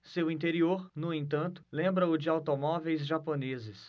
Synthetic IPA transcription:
sewĩt̪eɾioɾnʊẽt̪̬ɐ̃nt̪ʊ̥lẽmbɾɐʊd͡ʒɪawt̪omɔvejzʒaponezɪs

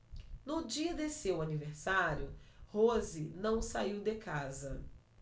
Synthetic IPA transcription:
nʊd͡ʒiɐd̪esewaniveɾsaɾjʊhozɪnɐ̃w̃saiwd̪ekazɐ

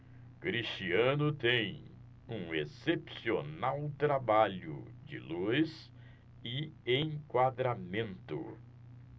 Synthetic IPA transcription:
kɾist͡ʃiɐ̃nʊt̪ẽj̃ | ũesepsionawt̪ɾabaʎʊ̰d͡ʒɪ̰lujs | ɪẽjkwad̪ɾamẽnt̪ʊ̰

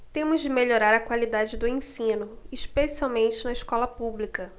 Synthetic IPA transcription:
t̪ẽmʊzd͡ʒɪmeʎoɾaɾɐkwalid̪ad͡ʒɪd̪ʊẽsĩnʊiʃpesiawmẽnt͡ʃɪnɐiʃkɔlɐpublikɐ

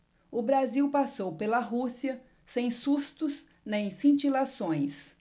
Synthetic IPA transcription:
ʊbɾaziwpasowpelɐɦusiɐ | sẽj̃sust̪ʊs | nẽj̃sĩt͡ʃilasõj̃s

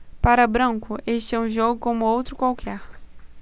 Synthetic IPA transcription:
paɾɐbɾɐ̃ŋkʊʔeʃt͡ʃɪɛũʒoɡʊkõmʊowt̪ɾʊkwawkʰɛɾ

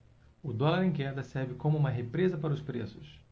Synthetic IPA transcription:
ʊd̪ɔlaɾẽkɛɾd̪ɐsɛɾvɪkõmʊũmɐɦepɾezɐpaɾɐʊspɾesʊs

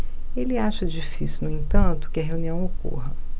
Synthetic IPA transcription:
elɪaʃɐd͡ʒifisjunʊẽt̪ɐ̃nt̪ʊ̥kɪɐɦeũniɐ̃w̃oko̰ɦɐ

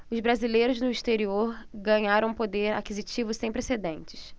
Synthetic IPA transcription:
ʊzbɾazilejɾʊznʊiʃt̪eɾioɾɡɐ̃ɲaɾɐ̃w̃pod̪eɾa̰kizit͡ʃivʊsẽj̃pɾesed̪ẽnt͡ʃɪ̥s

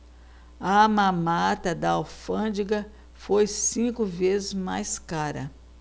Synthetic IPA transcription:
ɐmãmat̪ɐd̪ɐawfɐ̃d͡ʒiɡɐ | fojsĩkʊvezɪzma̰jskaɾɐ̰

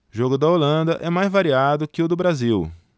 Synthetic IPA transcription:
ʒoɡʊd̪ɐolɐ̃nd̪ɐʔɛmajzvaɾiad̪ʊkɪʊd̪ʊbɾaziw

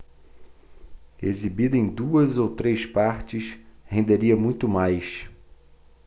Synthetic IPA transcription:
ezibid̪ɐẽj̃d̪uɐzowt̪ɾespaɾt͡ʃɪshẽnd̪eɾiɐmũj̃t̪ʊmajs

